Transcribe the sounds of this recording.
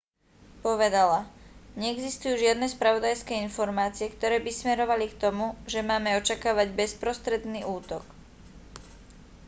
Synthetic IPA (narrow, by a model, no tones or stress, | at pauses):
pɔʋɛd̪alaɲɛɛɡzist̪ujuːʒɪad̪nɛːspɾaʋɔd̪ajskɛːinfɔɾmaːt͡siɛkt̪ɔɾɛːbismɛɾɔʋalikt̪ɔmuʒɛmaːmɛɔt͡ʃakaːʋaɟbɛspɾɔst̪ɾɛd̪niːʔuːt̪ɔk